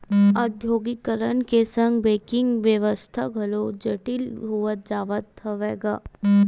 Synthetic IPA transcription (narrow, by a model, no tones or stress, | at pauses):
əd̪ʱjoːɡikəɾənkesə̃ŋɡbeːkɪ̃ŋɡʋjəʋəst̪ʰaɡʱɐlod͡ʒɐʈɪlɦuət̪̚d͡ʒaːʋət̪ːəʋeːɡaː